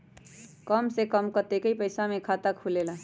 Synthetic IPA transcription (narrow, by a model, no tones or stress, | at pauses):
kəmsekəmkət̪ekəipəɪsamekʰat̪akʰulela